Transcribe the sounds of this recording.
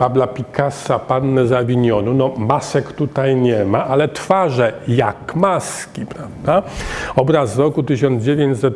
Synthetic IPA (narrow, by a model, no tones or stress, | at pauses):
pablapʲikasapanːɛzavʲiɲɔnunɔmasɛkt̪ut̪ajɲɛmaʔalɛt̪faʐɛjakmaskʲipɾavd̪aɔbɾazɾɔkut̪ɘɕ̬ɔnd͡ʑevʲjeɲt͡ɕsɛt̪̚